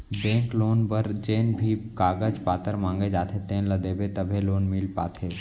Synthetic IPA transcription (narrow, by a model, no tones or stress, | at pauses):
bẽːŋkloːnbəɾd͡ʒeːnbʱikaːɡəd͡ʒpaːt̪əɾmãŋɡed͡ʒaːt̪ʰet̪eːnləd̪eːbet̪əbʱeloːnmilpa̰ːt̪ʰe